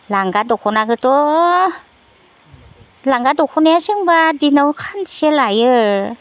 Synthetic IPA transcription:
laŋɡadɔkʰɔnaɡɯtɔ | laŋɡadɔkʰɔnajasɯŋbadinawkʰanselajɯ

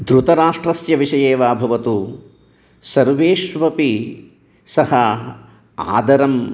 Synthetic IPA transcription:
d̪ɾut̪ɐɾaːʂʈɾɐsjɐʋiʂɐjeːʋaːbʱɐʋɐt̪u | sɐɾʋeːʃʋɐpi | sɐhɐ | a̰ːd̪ɐɾɐm

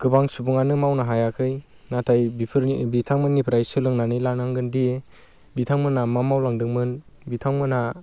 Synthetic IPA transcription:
ɡ̥ɯbaŋsubuŋanɯmawnaɦajakʰɯj | natʰajbipʰɾbitʰaŋmɯnːipʰɾajsɯlɯŋnanɯjlanaŋɡɯndie | bitʰaŋmɯnamamawlaŋdɯŋmɯn | bitʰaŋmɯna

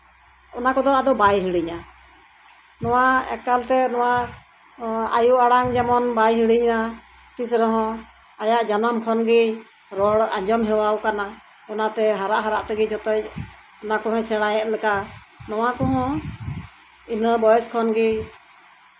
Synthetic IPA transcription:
ɔnakɔd̪ɔad̪ɔbajɦiɽiɲa | nɔwaɛ̰kalt̪ɛnɔwa | a̰juʔaɽaŋd͡ʒamɔnbajɦiɽiɲna | t̪isɾəɦɔ̃ | ajaʔd͡ʒanamkʰɔnɡi | ɾɔɽaɲd͡ʒɔmɦɛwawkana | ɔnat̪ɛɦaɾaʔɦaɾaʔt̪ɛɡid͡ʒɔt̪ɛc | ɔnakɔɦɔ̃sɛɽ̃ajɛʔlɛka | nɔwakɔɦɔ̃ | inəbɔjɛskʰɔnɡi

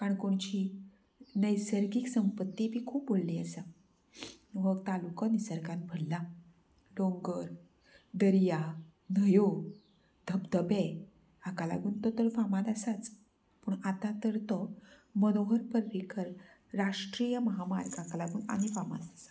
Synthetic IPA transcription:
kaɳkoɳt͡ɕiː | nəjsəɾɡiːksəmpət̪ːibʱiːkʰuːp̚bolliːəsa | ʋəɡt̪alukanisəɾkãnbʱəɽla | loŋɡəɾ | d̪əɾja | nəjo | d̪ʱəbd̪əbe | akala̰ɡuːnt̪ɔt̪əɾfamalasat͡s | puːɳat̪ãt̪əɾt̪ɔmənoɦəɾpəɾʋikʰəɾ | ɾaʂʈɾijəməɦama̰ɾkakalaɡuːna̰ɽ̃ifama̰t͡sasḁ

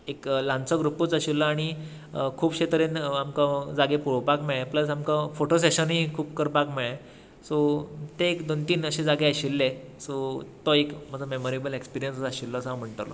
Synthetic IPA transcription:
eklãnt͡səɡɾuput͡saɕilːaaɽ̃i | kʰuːpɕet̪əɾenamkad͡zaɡepuɾʋpakmeɭepləsamkafoʈoseɕənɦikʰuːpkəɾpakmeɭe | sɔt̪eekd̪ont̪iːnəɕẽd͡zaɡeaɕilːe | sɔt̪ɔekməd͡zʱamemoɾebəlekspiɾijənsəaɕilːəəsəɦãm̤əɳʈ̪ə̰lɔ̰

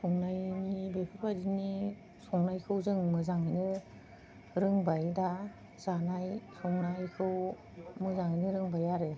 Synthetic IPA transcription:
sɔŋnajnibepʰapʰadini | sɔŋnajkʰɯwzɯŋmɯzaŋɯjnɯ | ɾɯŋbajda | z̥anajsɔŋnajkʰɯw | mɯzaŋɯjnɯɾɯŋbajaɾe

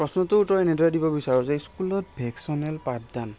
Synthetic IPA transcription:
pɹɔsnɔtʊtɔnɛdʱɔɹadibɔbisaɹɔsejskulɔt̚bʱɛksɔnɛlpatdan

